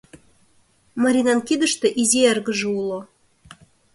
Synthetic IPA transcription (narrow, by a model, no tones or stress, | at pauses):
maɾʲinɑnkid̪ə̆ʃt̪ɤ̆ʔizʲeærɡə̆ʒəulˠo